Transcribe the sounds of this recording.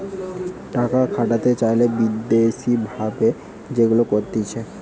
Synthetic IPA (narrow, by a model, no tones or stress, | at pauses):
ʈakakʰaʈat̪et͡ɕajlebid̪eʃibʱabe | d͡ʑeɡulokoɾt̪it͡ɕʰe